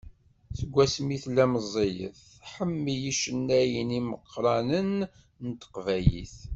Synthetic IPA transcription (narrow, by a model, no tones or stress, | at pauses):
θəɡʷːæsmiθlæməzˤːijə̰θ | ħəmːijiʃənːæjəniməqʰːɾˤɑnən | nt̪ə̥qvæjḭθ